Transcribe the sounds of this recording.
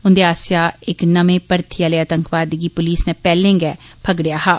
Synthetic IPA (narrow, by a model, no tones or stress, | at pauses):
ʊnd̪eːaːsɪjaːɪknəmẽːpəɾt̪ʰɪjaːleːət̪əŋkʋaːd̪ɡiːpʊliːsnɛ̃ːpɛːlẽŋɡɛːpʰəɡɽɪjaːɦaː